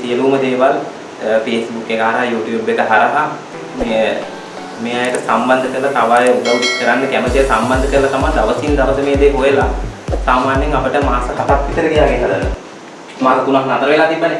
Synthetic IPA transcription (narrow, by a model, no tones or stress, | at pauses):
sijəluːməd̪eːʋal | feːsbukːekəɦaɾəɦajuːʈjuːbekəɦaɾaɦa | meː | meːajəʈəsamband̪ʱəkəɾlat̪aʋaːjəuɡ̪aʋud̪ikəɾanːəkæmət̪ijəsamband̪ʱəkəɾlɐt̪amand̪aʋəsind̪aʋəsəmeːd̪eːɦojəlasaːmaːnːeŋapəʈəmaːsəɦat̪ak̪ːʋit̪əɾəkijaːɡenad̪ə | maːkəkunaɦnat̪əɾəʋelaːt̪ibːane